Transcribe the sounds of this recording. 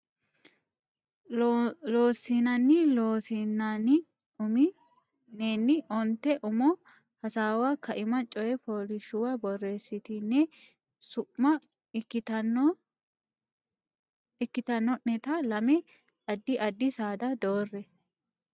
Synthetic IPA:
loːsːinɐnːɪloːsinɐn | ʊmɪ | neːnːɪʔɔnt̪ːɛʔʊmɔ | hɐsaːwaːkʰɐʔɪmɐt͡ʃʼɔjɛfoːlɪʃʊwabɔrːe̞ːsːɪt̪ɪnːɛ | sʊʔmɐ | kːɪt̪ɐn | ɪkːɪt̪ɐnːɔnɛt̪ɐlɐmɛ | ɐd̪ːɪʔɐd̪ːɪsaːd̪ɐd̪o̞ːrːɛ

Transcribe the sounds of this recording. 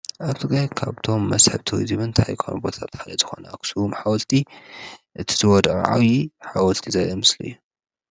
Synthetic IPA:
ʔaβt̪ʰɨɡɾajkʰaβt̪ʰo̞mːɐsħɨβt̪ʰɨwḭzɨmɨnt̪ʰajkʰa̰nbo̞t̪ʰat̪xalɐzɨxonakʰɨ̥suumħawɔlt̪ʰi | ʔɨt̪ʰi̥zɨwɔd̪aʔʕa̰wjiħawɔlt̪ʰizajemɨslɨ̰jːu

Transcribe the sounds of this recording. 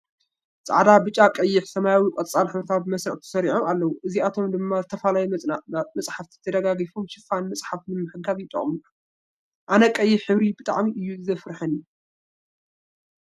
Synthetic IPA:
t͡sʼa̰ʕd̪abɨt͡ʃʼːakʼɐjːɪħsɐmajawikʼɐt̪ʼt͡sʼalħɨβɾɨt̪ʰat̪̚bmɐsɾɐʕt̪ʰɐ̥sɐɾiʕomalːɐwuʔɨziat̪ʰo̞md̪ɨmːazɨt̪ʰɐfalajɛmɐmɐsʼħaft̪ʰi̥t̪ʰɐd̪ɐɡaɡifumʃɪfanmɐsʼħafnɨmːɨħɨɡaβjɪt̪ʼːɐ̰χʼmu | ʔanɐkʼɐjːɪħɨβɾibɨt̪ʼa̰ʕmiʔɨjːuɨzɐfɾħɐni

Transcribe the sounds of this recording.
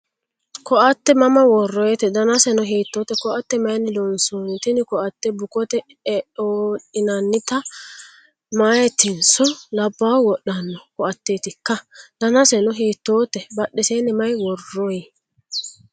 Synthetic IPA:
kɔʔɐt̪ːɛmɐmɐwɔrːɔjɛt̪ɛd̪ɐnɐsɛnɔɦiːt̪ːoːt̪ːɛkɔʔɐt̪ːɛmɐjnːɪlɔnsunt̪ɪnɪkɔʔɐt̪ːɛbʊkɔt̪ɛ | oːᶑɪnɐnːɪt̪ɐ | maːjɛt̪ːɪnsɔlɐbːawwɔɗːɐnːɔkɔʔɐt̪ːeːt̪ɪkːɐd̪̥ɐnɐsɛnɔɦiːt̪ːoːt̪ːɛbɐɗːɛseːnɛmɐjwɔrːɔj

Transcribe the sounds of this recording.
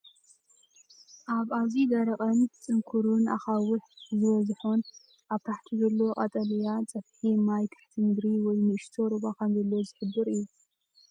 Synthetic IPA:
ʔaβazid̪ɐɾɐqʼɐnt͡sʼɨŋkʰuɾunʔa̰xawɨħzɨβɐzħon | ʔaβt̪ʰaħt̪ʰizɐlːo̞qʼɐt̪ʼɐlijat͡sʼɐβħimajkʰɨ̥ħt̪ʰɨmɨd̪ɾiwɔjnɨɨʃt̪ʰoɾɨβakʰɐnzɐlːo̞zɨħɨbːɨɾɨju

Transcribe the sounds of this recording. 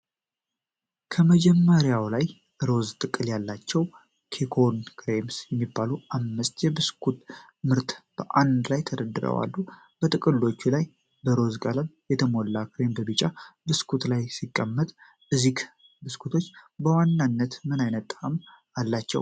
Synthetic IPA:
kʰəməd͡ʒɛmːəɾjawlaj | ɾo̞zt̪ʼɨkʼːɨljalːat͡ʃːɛw | kʰekʰonkʰɾemsjɛmːibːaluʔamːɨst̪jɛbɨskʰut̪ | mɨɾt̪b̥əʔand̪lajt̪ʰəd̪əd̪ːɨɾə̰wa̰lːu | b̥ət̪ʼɨkʼɨlːo̞t͡ʃːulaj | bəɾo̞zɡʼaləmjɛt̪ʰəmolːakʰɾembəbɨt͡ʃʼabɨskʰut̪lajsikʼːəmːət̪ʼ | ʔɨzik | bɨskʰut̪ʰo̞t͡ʃːbəwanːanːət̪mɨnajnət̪ʼːam | alːat͡ʃːɛ̰w

